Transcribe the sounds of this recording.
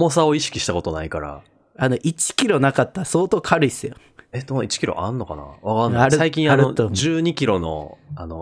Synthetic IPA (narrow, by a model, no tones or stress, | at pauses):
mosao̞iɕi̥kʲi̥ɕi̥t̪ako̞t̪o̞naikaɾa̰ | ano̞ʔit͡ɕi̥kʲiɾo̞nakat̪ːaso̞ːt̪o̞ːkʰaɾɯisɨjo | et̪onoit͡ɕi̥kʲiɾo̞̰ʔanːo̞kana̰βakanaɾsaik̬ʲĩɰaaɾɯood͡ʑɨːɲ̟ikʲiɾo̞no̞̰ano